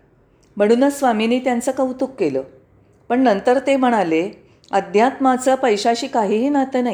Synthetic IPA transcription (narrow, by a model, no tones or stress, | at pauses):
m̤əɽ̃uːnəsʋaminiːt̪jant͡səːkaut̪ukːelə̰ː | pəɳnənt̪əɾt̪em̤əɽ̃ale | əd̪ʱjat̪mat͡səːpəjɕaɕiːkaɦiːɦiːnat̪əːnaɦi